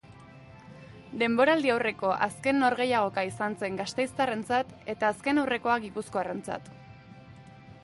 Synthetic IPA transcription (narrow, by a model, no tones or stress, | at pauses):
d̪e̞mbo̞ɾald̪iawre̞ko̞ʔaske̞nːo̞ɾɣe̞jaɣ̞o̞kaisant͡se̞ŋɡast̪ejst̪are̞nt͡sat̪e̞t̪aːske̞nawre̞ko̞aɡipusko̞are̞nt͡sa̰t̪